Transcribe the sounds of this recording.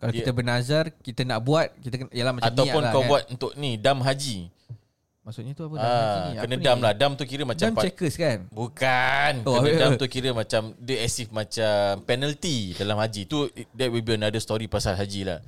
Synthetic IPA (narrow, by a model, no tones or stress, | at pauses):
kalaokit̪əbənazarkit̪ənaʔbuat̪̚kit̪əknjəlamat͡ʃat̪awʊnkawbuat̪̚unt̪ʊʔnidamɦad͡ʒi | maʔsʊʔɲat̪uapəakənadamlahdamt̪ukiɾəmat͡ʃaampt͡ʃɛkəskanbukankoəadat̪ukiɾəmat͡ʃamdəɛsifmãt͡ʃampɛnəlt̪idalamɦad͡ʒit̪udɛt̚wibilənadəst̪ɔɾipasalɦad͡ʒila̰h